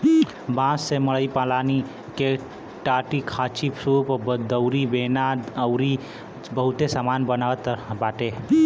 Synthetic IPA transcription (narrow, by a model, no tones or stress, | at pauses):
bãːsːeməɭəipãːlaːni | ke | ʈaːʈikʰaːt͡ʃipʰsupbd̪əʊɾibeːnaəwɾi | bəɦʊt̪esaːmaːnbənaːʋət̪baːʈ̪e